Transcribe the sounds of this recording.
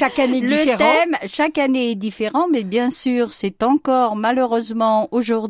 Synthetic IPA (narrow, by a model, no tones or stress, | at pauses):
ʃakaneliəeʁt̪ɛmʃakaneɛd̪ifeʁɑ̃mɛbjɛ̃syːʁsɛt̪ɑ̃kɔʁmaløʁøzmɑ̃oʒuʁd̪